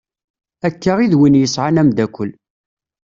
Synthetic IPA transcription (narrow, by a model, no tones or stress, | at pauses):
ækːaʁiðwinjəsʕanæmd̪ækʷːəl